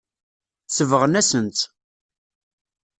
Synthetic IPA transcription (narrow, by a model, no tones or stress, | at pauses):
t͡sːəvəʁənæsənt̪